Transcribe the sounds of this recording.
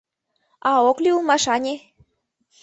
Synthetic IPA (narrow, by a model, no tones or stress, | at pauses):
ɑokliulˠmɑʃɑnʲe